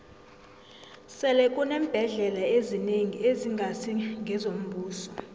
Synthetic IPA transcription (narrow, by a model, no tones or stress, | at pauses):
sɛlɛkʼunɛːm̩b̥ʱɛɮɛlaezineŋieziŋɡʱasʰiŋɡʱɛzom̩bʱuːsɔ̥